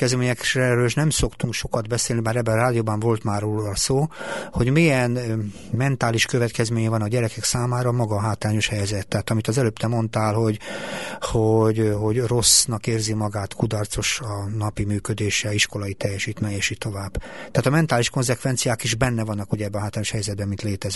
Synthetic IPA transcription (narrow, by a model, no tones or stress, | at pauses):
kɛzɛmeːɲɛkrɛɾøːliʃnɛmso̞kt̪uŋkʃo̞kɒd̪bɛseːlnibaːɾɛbːɛɾaːd̪ioːbɒɱvo̞lt̪maːroːɒsoːho̞ɟmijɛn | mɛnt̪aːliʃkøvɛt̪kɛzmeːɲɛvɒnɒɟɛɾɛkɛksaːmaːɾɒmɒɡɒɦaːt̪raːɲo̞ʃhɛjɛzɛt̪ːɛːt̪ɒmit̪ɒzɛløːpt̪ɛmo̞nt̪aːlɦo̞ɟ | hoɟɦo̞ɟro̞snɒkeːrzimɒɡaːt̪kud̪ɒrt̪so̞ʃɒnɒpimyːkød̪eːʃɛiʃko̞lɒit̪ɛjːɛʃiːt̪mɛɛʃiːt̪ːo̞vaːb̥t̪ɛaːt̪ɒmɛnt̪aːliʃko̞nzɛkʋɛnt̪sijaːkiʒbɛnːɛvɒnːɒkhoɟɛbːɛɒɦaːt̪ɾaːɲo̞ʃhɛjɛzɛd̪bɛmint̪leːt̪ɛz